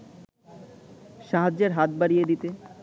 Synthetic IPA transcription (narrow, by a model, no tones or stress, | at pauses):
ʃaɦad͡ʑeɾɦat̪̚baɽijed̪it̪e